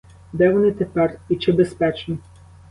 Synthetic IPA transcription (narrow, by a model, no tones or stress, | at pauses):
d̪ɛʋɔnɪt̪epɛrit͡ʃɪbespɛt͡ʃnʲi